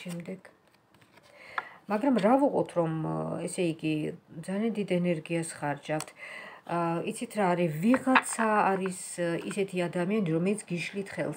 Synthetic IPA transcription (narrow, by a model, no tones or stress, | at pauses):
ɛmd̪ɛɡ̥ | maɡɾamɾavuqʼɔ̰t̪ʰɾɔmɛsɛiɡid̪zaliand̪id̪ɛnɛɾɡiasχaɾd͡ʒaft̪ʰ | it̪sʰit̪ʰɾaːɾiviʁat̪sʰaːɾis | isɛt̪ʰiad̪amianiɾɔmɛlit̪sʰɡiʃlit̪ʰχɛ̰lˠs